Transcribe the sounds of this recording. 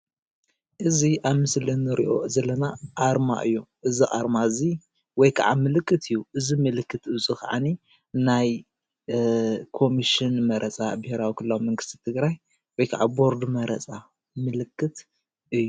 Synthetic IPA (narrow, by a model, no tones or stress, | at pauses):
ʔɨziʔaβmɨslinːɨɾḭʔo̞̰zɐlːɐnaʔaɾma̰ʔɨ̰jːoʔɨziʔʼaɾmaɨzi | wɔjkʰa̰ʕa̰mɨlɨkʼːɨt̪ʰɨjːuʔɨzimɨlɨkːɨt̪ɨt͡sʼuxaʕa̰ni | naj | kʰo̞miʃinmɐɾʔɐt͡sʼa̰bɐheɾawikʰɨlːawimɐŋɡɨst̪ʰi̥t̪ʰɨɡɾaj | wɔjkʰaʕa̰bo̞ɾd̪mɐɾɐ̰t͡sʼa | mɨlɨkʰːɨt̪ | ʔɨjːu